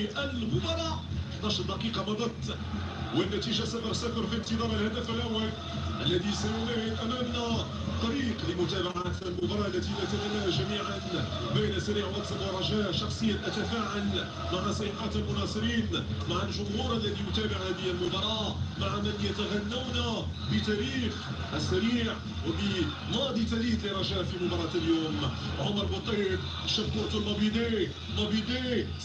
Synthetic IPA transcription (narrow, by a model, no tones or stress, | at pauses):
ʔəlmʊbɑɾˤɑʔnɑʃd̪ɑqiːqɑmɑd̪ˤɑt̪ˤː | wənːæt̪iʒasafɑɾˤsafɑɾˤfint̪əd̪ˤɑɾˤəlhad̪əfəlʔawːal | ʔəlːæd̪isajʊnæhɪd̪ʔæmæmnæ | t̪ˤːɑɾiqləmʊt̪æːbaʕat̪lmʊbɑɾˤɑːʔlːæt̪ilæt̪æbanːæhʒæmiːʕan | bæjnsaɾiʕwæsɑnɑɾˤɑʒæʃɑxsˤəjːanʔæt̪afaːʕal | maʕasˤɑjħat̪lmʊnɑːsˤɨɾiːnmaʕalʒʊmhuːɾˤalːæðijʊt̪æːbɪʕhæd̪iælmʊbɑɾˤɑːmaʕamɪnjat̪aɣanːawna | bət̪æɾiːx | ʔæsːæɾiːʕ | wbə | mɑːd̪ˤit̪æɾiːt̪liɾˤɑʒæːfimʊbɑɾˤɑːljuːmʕʊmɑɾˤbɑt̪ˤːif | ʃɑb̚t̪ʊɾt̪ʊlmɑbid̪e | mɑbid̪e